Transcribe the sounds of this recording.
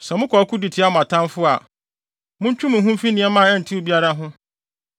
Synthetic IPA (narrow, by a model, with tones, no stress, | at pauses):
sɛ˨mʊ̃˦kʰɔ˨˦kʰu˦di˨tʰɪ˨˦a˦mʊ̃˨a˨tʰã˦nfʊ˦a̰˨ | mʊ̃˦ɲ˦t͡ɕᶣũ˦mʊ̃˨ɦũ˦mfi˦nɪ̃˨ɛ˦mã˦˨ɛ˦˨n̩˨tʰi˦o˦bi˦a˦ɾa˦ɦʊ̃˦